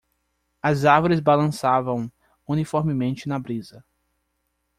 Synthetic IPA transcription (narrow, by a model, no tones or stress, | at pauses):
ɐzaɾvoɾɪzbalɐ̃savɐ̃w̃ | unifoɾmɪmẽnt͡ʃɪnɐbɾizɐ